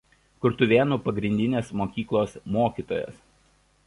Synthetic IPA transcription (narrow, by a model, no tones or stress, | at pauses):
kʊɾt̪ʊʋʲeːnupɐɡɾʲɪnʲd̪ʲɪnʲeːsmoːkʲiːklˠoːsmoːkʲiːˑt̪oːjɛ̰s